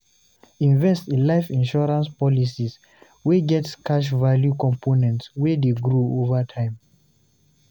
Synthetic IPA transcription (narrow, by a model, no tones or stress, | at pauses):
ĩnvɛstĩnlaɪfĩnʃɔɹãnspɔlisis | weɡɛtskaʃ̬valjukɔ̃mpʰonɛ̃ntswɛdeɡɹoovətʰãɪ̃m